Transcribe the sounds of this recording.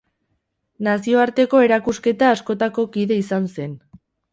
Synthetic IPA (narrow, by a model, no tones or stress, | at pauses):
nasio̞aɾt̪e̞ko̞e̞ɾakuske̞t̪aːsko̞t̪ako̞kiðe̞isanse̞n